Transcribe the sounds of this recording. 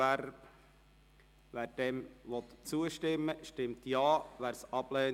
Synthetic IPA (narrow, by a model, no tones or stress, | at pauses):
æɾb | ʋæːɾd̥ɛmʋɔt̪t͡suəʃtɪmːəʃtɪmt̪jɑːʋæːɾsɑb̥lɛː